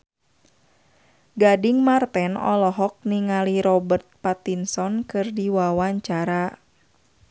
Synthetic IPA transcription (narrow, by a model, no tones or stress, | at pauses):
ɡadiŋmart̪ɛnɔ̰lɔɦɔk̚niŋaliɾɔbərt̪̚pat̪insɔnkɨrdiwawaɲt͡ʃaɾa